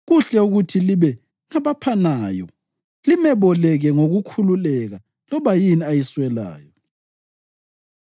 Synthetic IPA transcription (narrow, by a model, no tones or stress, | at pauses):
ɣuɬɛuɣutʰiliβɛ | ŋaβapʰanaːjɔ̰ | limɛβɔlɛɣɛŋoɣukʰululɛɣa | lɔβajiniajiswɛla̰ːjɔ